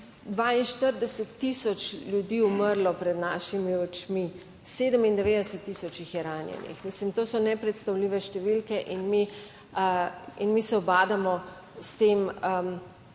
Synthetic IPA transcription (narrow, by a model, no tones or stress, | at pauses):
d̪ʋaːinʃt̪əɾd̪ɛsət̪ːisɔt͡ʃljud̪iuməɾlɔpɾɛd̪naːʃimiɔt͡ʃmi | seːd̪əmind̪ɛʋeːd̪əsət̪ːiːsɔt͡ʃixjɛɾaːnjɛ̰nḭxmislimt̪oːsɔnɛpɾɛt̪st̪awliːʋɛʃt̪ɛʋilkɛʔinmi | inmisɛɔbaːd̪amɔ | st̪eːmə